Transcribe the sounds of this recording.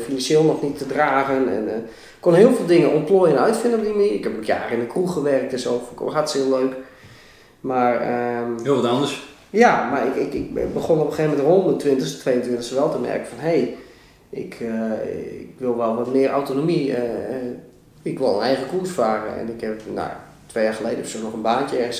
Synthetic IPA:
finansjeːlˠnɔxnitːədraːɣənɛ̰n | kːonɦɪːəlˠvɪːlˠdɪŋənomploːjənœɥtfɪndəpimiɪkhɛpmətja̰ːrəɪnəkruxəʋɛrək̚tɪsofkɦatsɪəløːk | marəɪlˠʋɔtandəs | jamarɪkɪkɪk̚bəχonopəxeːvəmɛntrondətʋɪntəstʋejəntʋɪntəxsəʋɛlˠtəmɛ̰rkə̥fɔnɦej | ʔɪ̰kʰəɪkʋɪlˠʋɛlˠʋɔtmɪərʔa̰wtonomiə | ɪkʋɪlˠə̰nɛjxɣəkusfaːrə̰ɛ̰nɪkhɛpno̰ja̰ | tʋejaːχəlejdəsunɔχənbaːntjəɛrxəns

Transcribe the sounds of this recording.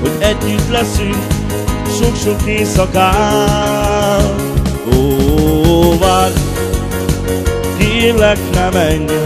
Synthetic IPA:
hoɟɛɟɲyt̪lɛsyŋk | ʃokʃokːeːsɔka | l | o | va | kilɛknɛmɛɲ

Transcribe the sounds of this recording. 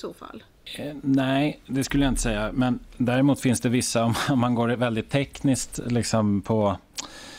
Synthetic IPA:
soːfa̰lː | næɪd̪ɛskɵləjaɪnt̪ə̥sɛjːamɛnd̪æːɾɪmuːt̪fɪnsd̪ɛvɪsːaɔmɔmːanɡoːɾvɛld̪ɪt̪ʰːɛknɪskt̪lɪksɔmpʰɔ

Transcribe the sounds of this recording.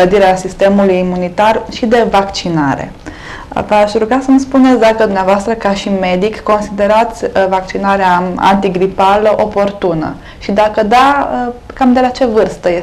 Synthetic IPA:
ləd̪iɾeasist̪e̞mulujimunit̪arʃid̪e̞vakt͡ʃinaɾe̞̰ | vaʃɾuɡasəmspunet̪sʲd̪akəd̪umneavoast̪ɾəkaʃime̞d̪ikːo̞nsid̪e̞ɾat̪sʲvak̚t͡ʃinaɾeaa̰nt̪iɡɾipaləʔo̞po̞rt̪unə̰ | ʃid̪akəd̪aəkamd̪e̞lat͡ʃe̞vɨrst̪əje

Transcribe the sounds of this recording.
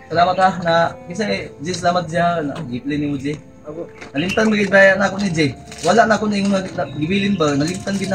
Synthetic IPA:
salaːmat̪anabis̬aed͡ʒis̬alamat̪̚d͡ʒiana̰ɡiplenimud͡ʒe | aknalimt̪anbaɡɪd̪̚bajaʔnakʊnid͡ʒewalaʔnaakʊnaiŋunaɡnaɡiwilɪnbanalimt̪anɡɪd̪na

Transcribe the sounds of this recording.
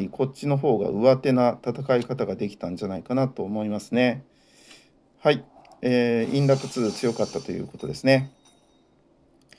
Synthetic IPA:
ikʰo̞t͡ɕino̞ɦo̞ːɡa̰ʔɯ̟βat̪e̞nat̪at̪akaikat̪aɡad̪e̞kʲi̥t̪ãɲ̟d͡ʑanaikanat̪o̞ːmo̞imasɨne̞ | hai | eːĩnɾat̪ot͡sɨːt͡sɨjo̞kat̪ːat̪o̞jɯ̟̰ːko̞t̪o̞d̪e̞sɨne̞

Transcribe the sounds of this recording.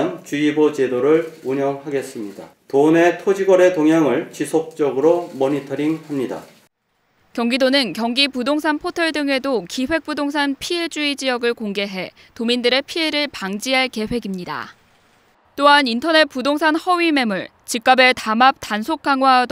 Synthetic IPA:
nt͡ɕuibot͡ɕe̞doɾɯɭuɲʌŋɦaɡe̞s͈ɯmɲida̰ | tone̞tʰod͡ʑiɡwʌɾe̞toŋɦjaŋɯɭt͡ɕisʰok̚t͡ɕ͈ʌɡɯɾomʌɲitʰʌɾiŋhamɲida̰ | kjʌŋɡidonɯnkjʌŋɡipudoŋsʰanpʰotʰeɭdɯŋe̞dokiɸwe̞k̚p͈udoŋs̬ʰanpʰie̞d͡ʑuid͡ʑijʌɡɯɭkoŋɡe̞ɦe̞ | tomindɯɾe̞pʰie̞ɾɯɭpaŋd͡ʑiɦaɭke̞ɸwe̞ɡimɲida̰ | t͈oɦanintʰʌne̞t̚p͈udoŋsʰanhʌɥime̞muɭ | t͡ɕik̚k͈abe̞tamap̚tansʰok̚k͈aŋwad

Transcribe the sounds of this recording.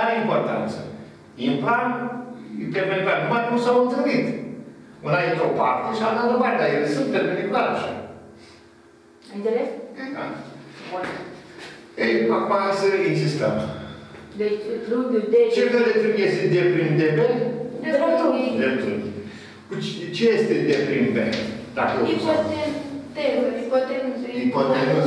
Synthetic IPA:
aimport̪a̰nt̪sə | impɾa | pepenikulaɾk̪umaɾnusawɨnt̪ɨɾit̪ | unajet̪opart̪eʃiat̪ad̪obaɾed̪ajelesɨnt̪pepenikulaɾʃi | eleseka̰ | ejakumasəinsist̪əm | d̪et͡ʃd̪ud̪d̪et͡ʃekəlet̪ɾunjest̪ed̪epɾind̪ebed̪eet̪uid̪et̪un | kut͡ʃt͡ʃejest̪ed̪epɾinb̪ḛd̪akəopat̪emd̪eipat̪emipot̪em

